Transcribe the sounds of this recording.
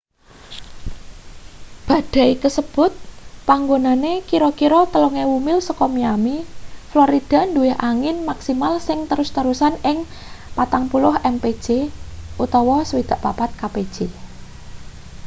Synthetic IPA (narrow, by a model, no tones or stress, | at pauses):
b̥a̤ɖ̥a̤ikəsəb̥ʊ̤t̪̚paŋɡonanekiɾokiɾɔt̪əloŋewumɪlsəkɔmiamifloɾid̥a̤nduwɪɦʔaŋɪnmaksimalsɪŋt̪əɾʊst̪əɾusanɪŋpat̪aŋpulʊɦɛmpe̥ʒ̥eʔut̪ɔwɔsəwid̪̥a̤ʔpapat̪̚kaped̥ʒ̥e